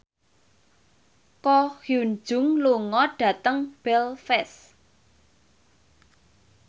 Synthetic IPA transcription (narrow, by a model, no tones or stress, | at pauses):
kɔhjun̥d͡ʒ̥ʊ̤ŋluŋɔɖ̥ä̤t̪əŋb̥ɛlfɛs